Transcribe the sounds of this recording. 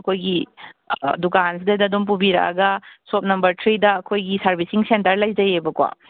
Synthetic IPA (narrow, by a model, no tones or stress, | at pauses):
ɐkʰojɡi | dukans̬idɐdɐɐdomp̬ubiɾɐ̰ʔɐ̰ɡɐsop̚nɐmbɐɾtʰɾidɐːkʰojɡisɐɾbisiŋsentɐɾlɐjd͡ʒɐjebɐkwa̰